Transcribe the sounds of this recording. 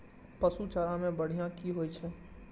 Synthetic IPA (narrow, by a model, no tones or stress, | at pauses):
pəsut͡ʃaːɾãmẽbəɽ̤ijãkiɦoːit͡ʃʰɛ